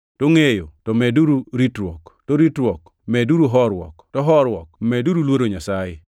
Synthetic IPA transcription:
toŋejotɔmɛduɾuɾitɾwɔktoɾitɾwɔk | mɛduɾuɦɔɾwɔ̰ktɔɦɔɾwɔkmɛduɾulwoɾoɲasajɪ

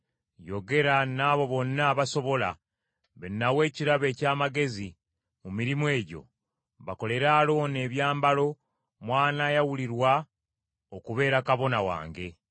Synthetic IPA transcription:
jo̞ɡe̞ɾanaːβo̞βo̞nːaːβaso̞βo̞la̰ | βenːawe̞ːciɾaβe̞ːcaːmaɡe̞zi | mumiɾimue̞ːɟo̞̰ | βako̞le̞ɾaːlo̞ːne̞ːβjaːmbalo̞ | mwaːnaːjawuliɾwa | okuβe̞ːɾakaβo̞nawa̰ːŋɡe̞

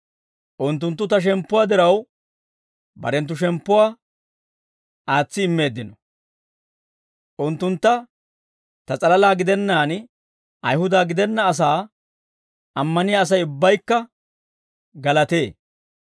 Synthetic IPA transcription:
ʔʊnt̪ːʊnt̪ːʊt̪ɐʃ̬ɛmpːʊwaːd̪ɪɾɐw | bɐ̰ɾɛnt̪̬ːʊʃ̬ɛmpːʊwaː | aːt͡sːɪɪmːe̞ːd̪ːɪnɔ | ʔʊnt̪ːʊnt̪ːɐ | t̪ɐt͡sʼɐlɐlaːɡɪd̪ɛnːaːn | ʔɐjhʊd̪aːɡɪd̪ɛnːɐːs̬aː | ʔɐmːɐnɪjaːs̬ɐjʊbːɐjkːɐ | ɡɐlɐt̪e̞ː

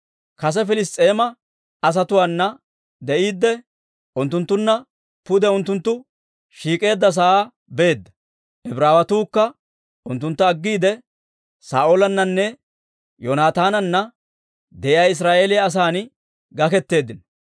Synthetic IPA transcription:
kɐs̬ɛfɪlɪs̬t̪ʼːe̞ːmɐ | ɐs̬ɐt̪ʊwaːnːɐ | d̪ɛʔiːd̪ːɛ | ʔʊnt̪ːʊnt̪ːʊnːɐ | pʊd̪ɛʊnt̪ːʊnt̪ːʊ | ʃiːkʼe̞ːd̪ːɐs̬aaː | beːd̪ːɐ | ʔɛbɾaːwɐt̪uːkːɐ | ʔʊnt̪ːʊnt̪ːɐɐɡːiːd̪ɛ | sa̰ːʔolɐnːɐnːɛ | jonaːt̪aːnɐnːɐ | d̪ɛjjaːɪs̬ɾaːʔe̞ːlɪjɐːs̬aːn | ɡɐkɛt̪ːe̞ːd̪ːɪn

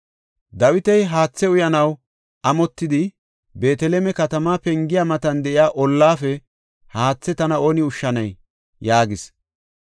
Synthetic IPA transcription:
d̪ɐwɪt̪ɛjɦaːt͡sːɛʊjɐnɐw | ɐmɔt̪ːɪd̪ɪ | be̞ːt̪ɛleːmɛkɐt̪ɐmaːpɛŋɡɪjamɐt̪ɐnd̪ɛʔɪjaːʔɔlːaːfɛ | haːt͡sːɛt̪ɐnɐo̞ːnɪʊʃːɐnɐj | jaːɡɪs

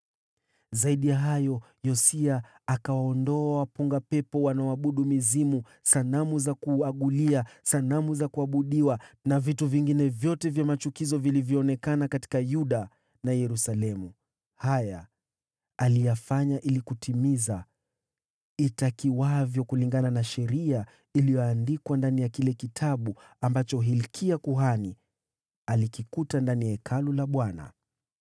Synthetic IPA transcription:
zaiɗijaɦajɔ | jɔsiaː | kawaɔndɔawapuŋɡapɛpɔwanawaɓuɗumizimu | sanamuzakuaɠuliasanamuzakuaɓuɗiwanavituviŋɡinɛvjɔtɛvjamat͡ʃukizɔvilivjɔːnɛkanakati̥kajuɗa | najɛɾusalɛmu | hajaː | lijafaɲaʔilikutʰimiza | itakiwavjɔkuliŋɡananaʃɛɾia | ilijɔandikwandanijakilɛkitʰaɓu | ambat͡ʃɔɦilkʰiakuɦani | alikikutandanijaɛkʰalulaɓwana̰

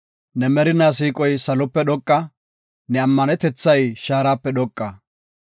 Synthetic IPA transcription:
nɛmɛɾɪnaːs̬iːkʼɔjsɐlɔpːɛɗɔkʼːɐ | nɛɐmːɐnɛt̪ɛt͡sːɐjʃaːɾaːpːɛɗ̪ɔkʼːɐ

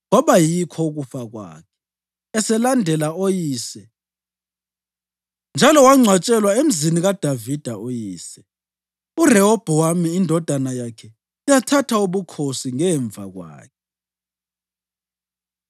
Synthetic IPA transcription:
ɔβajikʰɔɣufaɣwa̰ːkʰɛ̥ | ɛsɛlandʱɛlaojiːsɛ | nd͡ʒʱalɔwaŋ͡ǀʱwat͡ʃʼɛlwaem̩ziniɣad̥ʱavid̥ʱaojiːsɛ | urɛɔb̥ʱɛwamiːndʱɔd̥ʱanajakʰɛ | ujatʰatʰauβukʰosiŋɛɱb̪vʱa̰ɣwa̰ːkʰɛ

